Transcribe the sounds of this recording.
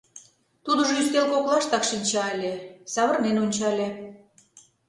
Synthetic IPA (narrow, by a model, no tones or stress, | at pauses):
t̪ud̪ə̆ʒoyst̪elkoklɑʃt̪ɑkʃinʲt͡ɕɑelʲesɑβə̆rnenonʲt͡ɕɑlʲe